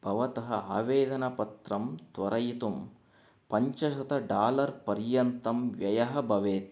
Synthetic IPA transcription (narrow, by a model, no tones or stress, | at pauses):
b̥ʱɐʋɐt̪ɐɦɐaːʋeːd̪ɐnɐpɐt̪ɾɐmt̪ʋɐɾɐjit̪um | pɐɲt͡ʃɐʃɐt̪ɐɖaːlɐɾpɐɾjɐnt̪ɐmʋjɐjɐɦɐbʱɐʋeːt̪